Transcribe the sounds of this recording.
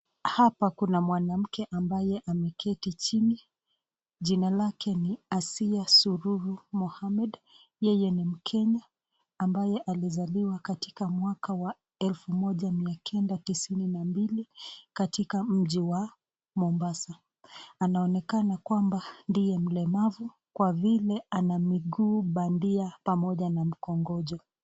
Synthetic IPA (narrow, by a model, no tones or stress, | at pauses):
hapakunamwanam̩kɛʔambajɛʔamɛkʰɛtit͡ʃini | ʄinalakɛniasiasuɾuɾumɔhamɛd | jɛjɛnim̩kʰɛɲaː | mbajɛʔalizaliwakati̥kamwakawa | ɛlfumɔʄamiakʰɛndatisininambilikatikam̩ʄiwa | mɔmbasa | anaɔnɛkanakwambandijɛm̩lɛmavu | kwavilɛanamiɡuːɓandiapamɔʄanam̩kɔŋɡɔʄɔ